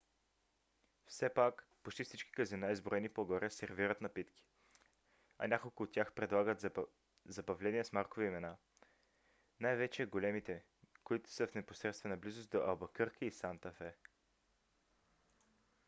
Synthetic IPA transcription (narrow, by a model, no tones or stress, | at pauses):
fsɛpak | pot͡ʃt̪ifsit͡ʃki̥kəzɛnaizbɾoɛnipoɡɔɾɛsɛɾviɾət̪nɐpit̪ki̥ | ɐ̰nʲakolˠkʊːt̪ːʲjaxpɾɛd̪lˠaɡət̪ | zɐbɐvlɛniɛsmaɾkʊviimɛna | najvɛt͡ʃɛɡolɛmit̪ɛ | koit̪ʊ̥səfnɛpo̥sɾɛt̪st̪vɛnɐblizʊsd̪oʔɐlˠbɐkɤɾkʰəisant̪ɐfɛ